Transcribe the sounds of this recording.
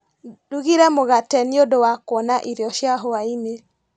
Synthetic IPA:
duɣiɾɛmoɣatɛniodowakwɔnaʔiɾjɔʃjaɦoaine

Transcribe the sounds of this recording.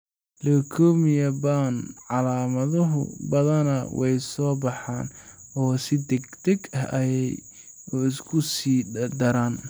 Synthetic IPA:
lɔkʰɔːmɪjɐbanʕɑlaːmɐðʊɦʊ̰bɐðɐnɐwɛjsɔːbɑħɑ̰ːnɔːsɪd̪ɛɡd̪ɛɡɐɐjɛj | ɪskʰʊsiːd̪ɐɾaːn

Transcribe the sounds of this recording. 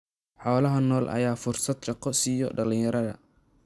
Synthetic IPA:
ħɔːlɐɦɐnɔːlʔɐ̰jaːfʊrsɐd̪ʃɑqɔsijɔɖɐlɪɲjɐɾɐðɐ̰

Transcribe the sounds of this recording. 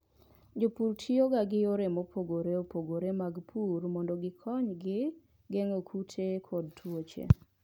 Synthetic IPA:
d͡ʒopuɾtʰioɡaɡɪjoɾemopʰoɡoɾeopoɡoɾemaɡpʰuɾmɔndɔɡɪkʰɔɲɡɪ | ɡɛŋokʰutʰekʰɔd̚twot͡ʃḛ

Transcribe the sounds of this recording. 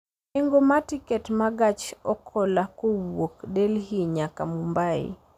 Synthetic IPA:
ɪŋɡomatikɛtmaɡat͡ʃɔkʰɔlakowokdelɦiɲakamumbaɪ̰

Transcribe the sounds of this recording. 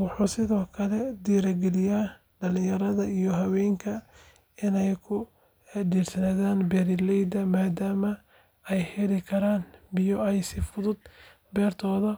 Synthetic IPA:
wɑħuːsɪðɔːkʰɐlɛd̪iːɾɐɡɛlɪjaː | ɖɐlɪ̃jɐɾɐðɐijɔɦɐwɛːŋkʰɐ | ɪnɛjkʰʊ | ɖiːrsɐnaːðaːnbɛːɾɪlɛjd̪ɐmaːd̪aːmɐ | ɛjhɛlɪkʰɐɾaːnbɪjɔɛjsɪfʊðʊd̪̚ | bɛːrt̪ʰɔːðɐ

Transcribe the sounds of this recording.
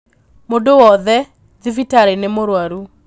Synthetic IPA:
modowɔðɛ | ðɪvitaɾenɛmoɾwaɾu

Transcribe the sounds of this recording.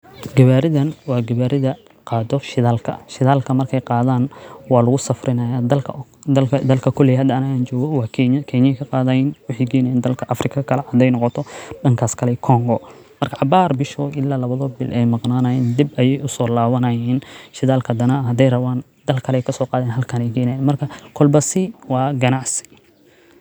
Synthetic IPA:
ɡɐβaːɾɪðɐnwɑːɡɐβaːɾɪðɐ | qɑːd̪ɔʃɪðaːlkʰɐ̰ʃɪðaːlkʰɐmɐrkʰɛjqɑːðaːnwɑːlʊɣʊsɐfrɪnɐjaːd̪ɐlkʰɐɐd̪ɐlkʰɐkʰɔlɛjɦɐd̪ɐɐnɐɣaːnt͡ʃɔːɣɔwɑːkʰkʰɛnjɛkʰɐqɑːðɐjɛnwɑħiɡɛːnɐɪːnd̪ɐlkʰɐʔɐfrɪkʰɐkʰɐlɛhɐd̪ɛjnɔqɔt̪ʰɔɖɐŋkʰaːskʰɐlɛkʰɔŋɡɔ | mɐrkʰɐʕɑbaːrbɪʃɔʔɪlːaːlɐβɐðɔbɪ̰lʔɛjmɑqnaːnɐjɛnd̪ɪbɐjɛjʔʊsɔːlaːwɐnɐjɛːnʃɪðaːlkʰɐd̪ɐnɐɦɐd̪ɛjrɐβaːn | d̪ɐlkʰɐlɛjkʰɐsɔːqɑːðɛːnɦɐlkʰɐnɛjɡɛːnɐjɛːnmɐrkʰɐkʰɔlbɐsɪwɑːɡɐnaʕsɪ̥

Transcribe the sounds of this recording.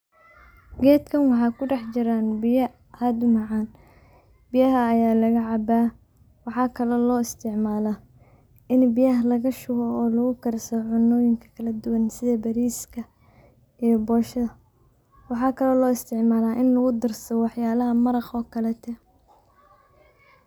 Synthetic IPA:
ɡɛːd̪kʰɐnwɑħɑkʰʊɖɑħt͡ʃɪɾaːnbɪjɐ | hɐd̪ʊmɑʕɑːn | bɪjɐɦɐːjaːlɐɣɐʕɑbaː | wɑħɑːkʰɐlɔlɔːɪst̪ʰɪʕmaːlaː | ʔɪnbɪjɐɦlɐɣɐʃʊɣɔːlɐɣʊkʰɐɾsɔʕʊnːɔːjɪŋkʰɐ̥kʰɐlɐd̪ʊwɐnsɪðɐbɐɾiːskʰɐ | ijɔbɔːʃɐðɐ | wɑħɑːkʰɐlɔlɔːɪst̪ʰɪʕmaːlaːʔɪnlɐɣʊd̪ɪrsɔwɑħjaːlɐɦɐmɐɾɑχɔːkʰɐlɛt̪ʰɛ

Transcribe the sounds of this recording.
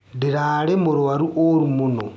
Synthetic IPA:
diɾaːlemuɾuwaɾuʔoɾumuno

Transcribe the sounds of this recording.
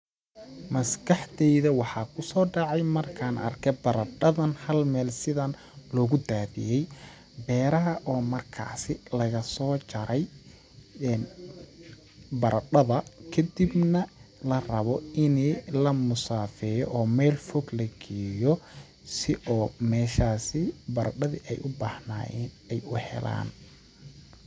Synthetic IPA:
mɐskʰɑħt̪ɛjðɐwɑħɑːkʰʊsɔːɖɑʕɑjmɐrkʰaːnʔɐ̰rkʰɛbɐɾɐɖɐðɐnhɐlmɛːlsɪðɐn | lɔːɣʊd̪aːðɪ̰jɛj | bɛːɾɐɦɐʔɔːmɐrkʰa̰ːsɪlɐɣɐsɔːt͡ʃɐɾɛj | n | bɐɾɐɖɐðɐkʰɐd̪ibnɐlɐrɐβɔɪnɛlɐmʊsaːfɛːjɔʔɔːmɛjlfɔɡlɐɡiːjɔ | sɪʔɔːmɛːʃaːsɪbɐɾɐɖɐðḭʔɛjʔʊbaːhna̰ːjɛːn | ɛjʊhɛ̰la̰ːn

